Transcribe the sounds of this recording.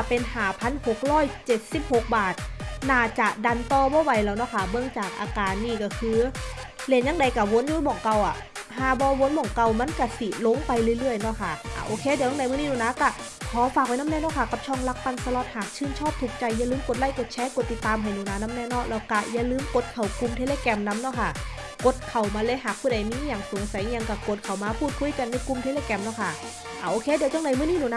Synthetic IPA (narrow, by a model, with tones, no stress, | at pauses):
pe˧nɦaː˨˩˦pʰa˧˥˨nho˨˩k̚ɾɔː˧˥˨jt͡ɕe˨˩t̪̚si˧˦˩p̚ho˨˩k̚baː˨˩t̪̚naː˧˩t͡ɕa˨˩da˧˩nt̪ɔː˧˩bɔː˧˦wa˧˩jlɛː˧˩wnɔ˧˥˨kʰa˧˩bɯ˧˩əŋt͡ɕaː˨˩k̚ʔaː˧kaː˨nːiː˧˩kɔ˧˩kʰɯː˧le˧˩˨nɲa˧˥ŋda˨˦jka˧˩wo˧˥nju˧˦mɔː˨˩ŋka˧˩wʔa̰˨˩ | ɦaː˧˩bɔː˧˦wo˧˥nbɔː˨˩ŋka˧˩˨wma˧˥˨nka˧˩si˧˨˩lo˧˥ŋpa˧jlɯː˧˨lɯ˥˩əjnɔ˧˩˨kʰa˧˩ʔa̰˧˩ʔoː˧kʰeː˧˥di˧˦jda˨jmɯ˧˨niː˧˨nuː˧˩naː˧˥ka˧˩ | kʰɔː˨˦faː˨k̚a˧jna˥˨nɛː˥˨nɔː˥˩kʰa˧˩ka˨˩p̚t͡ɕʰɔ˧˥˩ŋla˧˥k̚pa˧˨nsa˧lɔː˧˩t̪̚haː˨˩k̚t͡ɕʰɯː˧˩˨nt͡ɕʰɔː˥˩p̚t̪ʰuː˨˩k̚t͡ɕa˧jːa˧˨lɯː˧˦mko˨˩t̪̚la˧˥˨jko˨˩t̪̚t͡ɕʰɛː˧˥ko˨˩t̪ːi˨˩t̪ːaː˧mɦa˨˩jnuː˨˩˨naː˧˥na˧˥mnɛː˧˥˨nɔː˧˥˩laː˧˩wka˧˩jaː˧˨lɯː˧˥mko˨˩˦t̪̚kʰa˨˩wku˧mt̪ʰe˧leː˧kɛ˧mna˧˦˥mnɔː˧˥˩kʰa˧˥˩ | ko˨˧˦t̪̚kʰa˨˩wmaː˧lɤː˧˦jɦaː˨˩k̚pʰuː˧˩˨da˨˩jmiː˧˥˨jaː˨˩ŋsu˨˦˨sa˨˦jɲa˧ŋka˧˩ko˨˩t̪̚kʰa˨˩wmaː˧pʰuː˥˩t̪̚kʰu˧˥˨jka˧nːa˧˩˨ku˧mt̪ʰeː˧˥leː˧˥˩kɛː˧˨mnɔː˧˥˩kʰa˧˥˩ | ʔaː˨˩ʔoː˧kʰeː˧˥di˨˦wt͡ɕʰɔ˧ŋda˨˦jmɯ˥˨niː˧˥˨nuː˧˩na˧